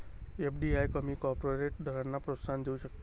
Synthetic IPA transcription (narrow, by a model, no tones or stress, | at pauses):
epʰɖiajkəmikɔɾpɾoɾeʈ̚d̪ʱəɾanːapɾot̪sʰand͡ʒeuʃək̚t̪